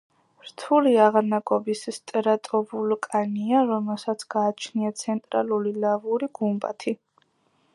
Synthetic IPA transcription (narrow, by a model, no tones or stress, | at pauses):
ɾt̪ʰuliaʁaɾnakʼɔbisst̪ʼɾat̪ʼɔbulkʼaniaɾɔmɛlˠsat̪sʰɡ̥aːt͡ʃʰniat̪sʰɛnt̪ʼɾalulilavuɾiɡ̥umba̰t̪ʰi